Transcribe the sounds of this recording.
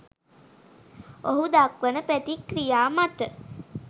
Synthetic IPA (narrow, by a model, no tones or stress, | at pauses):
oɦud̪akʋənəpæt̪ikrijaːmat̪ə